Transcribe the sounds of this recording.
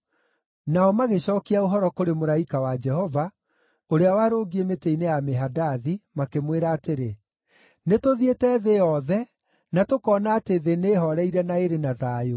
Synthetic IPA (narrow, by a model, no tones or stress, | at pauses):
naɔmaɣeɕɔːkiaoɦɔɾɔkoɾemoɾaikawad͡ʒɛhɔva | oɾeawaɾoːɡiemeteinejameɦadaðimakemweɾaːteɾe | netoðietɛːðeɔðɛ | natokɔːnaːteðeneɦɔɾɛiɾɛnaeɾenaðaːjo